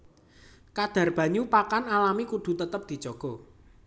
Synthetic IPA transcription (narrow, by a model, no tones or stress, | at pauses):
kad̪̥a̤rb̥a̤ɲupakanalamikud̪̥ṳt̪ət̪əp̚d̪̥i̤̥d͡ʒɔɡ̥ɔ̤